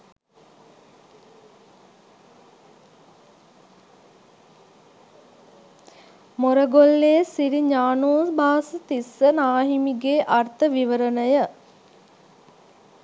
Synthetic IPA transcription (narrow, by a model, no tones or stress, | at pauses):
moɾəɡolːesiɾiɲaːnuːsbʱaːsət̪isːənaːɦimiɡeːʔart̪əʋiʋəɾənəjə